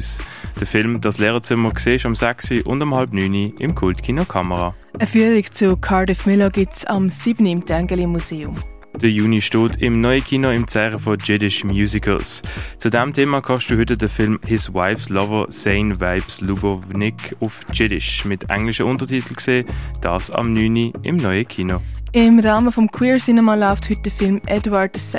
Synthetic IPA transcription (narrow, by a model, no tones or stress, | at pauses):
usd̥əfɪlmd̥ɑslɛːʁət͡sɪməkseːɪʃɑmsæksiʔʊ̰ndɑmhɑlpnyːniɪ̰mkʰʊltkʰiːnokʰɑməʁa | əfyːəʁikt͡sukʰɑɹdifmɪloɡɪt͡sɑmsiːbniɪmdɛŋɡəlimuzeːʊm | d̥əjuːniʃtoːtʰɪmnɔɪəkʰiːnoɪmt͡sɛːʁəfod͡ʒɪdɪʃmjuːzikʰə̰lst͡sudɛmtʰeːmakʰɑʃd̥uːhʏtədəfɪlmhɪswa̰ɪfslɔvəseɪnvaɪbslubəvnɪkʰʊft͡ʃɪdɪ̰ʃmɪtʰʔɛ̰ŋlɪʃəʊntəɐtʰitʰl̩kseːd̥ɑ̰ːsɑ̰mnyːniɪ̰mnɔʏəkʰiːnoɪmɾaːməfɔmkʰwiːɹsinɛmalaʊfthʏt̚d̥əfɪlmʔɛdwadsɛ